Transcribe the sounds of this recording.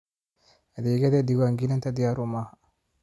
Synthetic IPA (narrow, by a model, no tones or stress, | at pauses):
ɐd̪eːɡɛd̪ed̪iɡaŋɡinɐnt̪ɐd̪ɪjaɾʊma